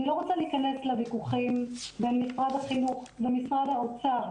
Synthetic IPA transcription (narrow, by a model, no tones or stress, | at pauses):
ilo̞ʁot͡saliːkane̞slevikuχimbe̞nmisʁad̪haχinuχvemisʁad̪haot͡sa